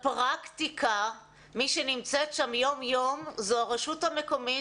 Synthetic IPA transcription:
pʁakt̪ikʰa | miʃenimt͡setʃamjo̞mjo̞mzuaʁeʃuthame̞ko̞mi

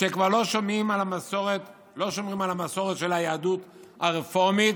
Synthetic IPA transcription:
ʃekvaʁlo̞ʃomimalamasoʁet | lo̞ʃo̞mʁimalhamaso̞ʁet̪ʃe̞lhajaadut̪ | aʁefo̞ʁmit̪̚

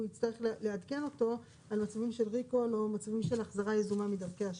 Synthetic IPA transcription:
uit͡st̪aʁeχlleadke̞no̞to̞ | almat͡savimʃe̞lʁikolomat͡savimʃe̞laχzaʁajezumamidavkeaʃ

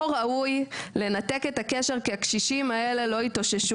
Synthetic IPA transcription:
ʁaujle̞nat̪e̞kethakeʃe̞ʁkeakʃiʃimae̞le̞lo̞itoʃeʃu

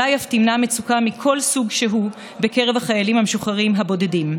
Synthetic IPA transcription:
ajaftimnamet͡sukamikʰo̞lsuɡʃeɦu | be̞keʁe̞vaχajalimhameʃuχaʁimɦabo̞dedim

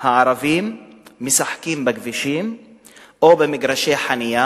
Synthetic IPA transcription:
haʕaɾavimːesaħkimbeɡviʃim | ʔobemiɡɾaʃeħanija

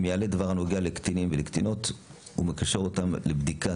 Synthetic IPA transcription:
mjaledavaʁanoɡealekt̪inimvelekt̪ino̞t̪ | ṵmekaʃeʁotamlebd̪ika

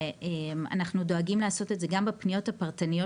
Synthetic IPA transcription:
ema̰naχnudo̞aɡimleaːso̞te̞tze̞ɡambepnijo̞thapaʁtanijo

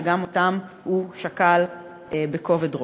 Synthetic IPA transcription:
ɡamotam | huʃakal | ebeko̞vedʁo

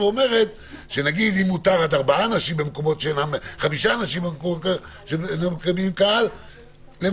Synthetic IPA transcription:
ome̞ʁe̞t̪ | ʃe̞naɡid̪imːut̪aʁat̪aʁbaaːnaʃimbemko̞mo̞tʃenamχamiʃaːnaʃimbemkoʃenamkabimkaal | le

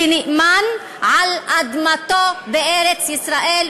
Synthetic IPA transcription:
ɪnɪʔman | ʕalʔad̪mat̪oːbɪʔeːɾɪt͡sʔɪsɾaːʔiːl

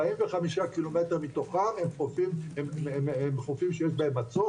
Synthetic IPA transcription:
imveχamiʃakilomet̪eʁmit̪o̞χamhemχofimemememχofimʃejeʃbaemat͡so

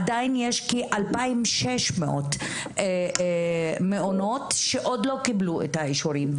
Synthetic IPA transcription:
adainjeʃkiʔalpaimʃeʃmeʔot̪ | e | meʔono̞tʃeʔo̞dlo̞kibluʔet̪haeʃoɾim

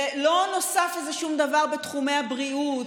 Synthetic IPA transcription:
lo̞no̞safezeʃumd̪avaʁbet̪χumejhabʁiut

